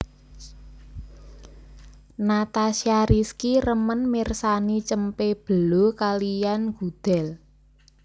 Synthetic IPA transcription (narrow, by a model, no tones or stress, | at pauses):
nat̪asiaɾiskirəmənmirsanit͡ʃəmpeb̥ə̤lokalijanɡ̥ṳd̪̥ɛ̤l